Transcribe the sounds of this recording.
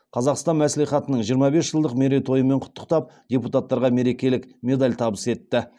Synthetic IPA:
qʰɑzɑqst̪ɑnmæsleχɑt̪ənəɴʒijəɾmɑbe̞sʒ̥əlˠd̪əqme̞ɾe̞jt̪ʰo̞jəme̞ɴqʰʊ̥t̪ʰːə̥qt̪ɑp̚d̪ʲeput̪at̪ːɑɾʁɑme̞ɾe̞kʲe̞lɪkmʲe̞d̪alʲt̪ʰɑbəse̞t̪ːɪ

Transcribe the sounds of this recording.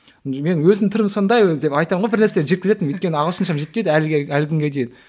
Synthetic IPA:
me̞nwɵzɪt̪ʰʏɾɪmso̞nd̪ɑjwɵzd̪e̞pɑjt̪ɑmɴʁojbɪɾnæɾseleʒekʲɪze̞t̪ɪnwɵjt̪̚kʲe̞nəɑʁəlˠʃənʃɑmʒe̞t̪̚ped̪əælɪɡʲeælɪkʲʰʏŋɡʲe̞d̪e̞jɪn

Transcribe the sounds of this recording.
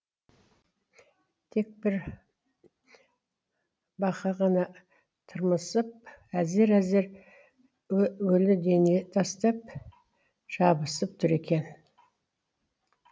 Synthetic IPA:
t̪ʰe̞k̚bɪɾ | bɑqɑʁɑnɑ | t̪ʰəɾməsəp̚æze̞ɾæze̞ɾ | wɵlɪd̪e̞ne̞t̪ʰɑst̪ɑp̚ | ʒ̥ɑbəsəp̚t̪ʰʏɾe̞kʲe̞n

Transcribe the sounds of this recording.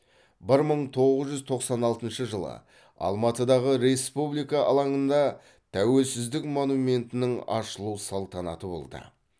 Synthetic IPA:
bɪɾməɴt̪ʰo̞ʁəzʒʏzt̪ʰo̞qsɑnɑlˠt̪ənʃəʒəlˠə̰ | ɑ̰lˠmɑt̪əd̪ɑʁəɾe̞spublijkɑʔɑlˠɑŋənd̪ɑ | t̪ʰæwe̞lsɪzd̪ɪkmonume̞nt̪ɪnɪŋɑ̰ʃəlˠuwsɑlˠt̪ɑnɑ̰t̪əbo̞̰lˠd̪ə̰

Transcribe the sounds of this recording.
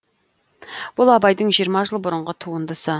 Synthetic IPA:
b̥ʊlˠɑbɑjd̪əɴʒijəɾmɑʒəlˠbʊɾəɴʁət̪ʰuwənd̪əsə

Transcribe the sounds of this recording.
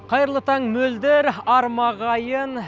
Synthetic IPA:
qʰɑjəɾlˠət̪ɑɴmɵld̪eɾɑɾmɑʁɑjən

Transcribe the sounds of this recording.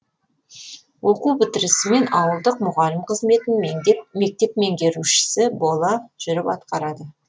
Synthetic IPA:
wʔo̞qubɪt̪ɪɾɪsɪme̞nɑwəlˠd̪əq̚mʊʁɑlɪmqʰəzme̞t̪ɪnme̞k̚t̪e̞p̚me̞ŋɡʲe̞ɾuʃɪ̥sɪbo̞lˠɑʒ̥ʏɾɪpɑ̰t̪qɑɾɑd̪ə

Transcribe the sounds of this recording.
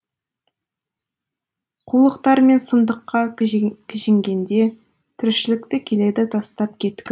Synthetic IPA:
qʰulˠəqt̪ɑɾme̞nsʊnd̪əqːɑkʲʰɪʒɪŋɡʲe̞nd̪e̞ | t̪ʰʏɾʃɪlɪkt̪ɪkʲʰe̞le̞d̪ɪt̪ʰɑst̪ɑp̚kʲʰe̞t̪ːʲɪ

